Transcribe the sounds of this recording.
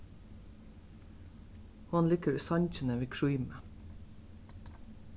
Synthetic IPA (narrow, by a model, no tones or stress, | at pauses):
hɔnlɪkəɾsɑɲc͡çənəʋiːkʰɹuʏmə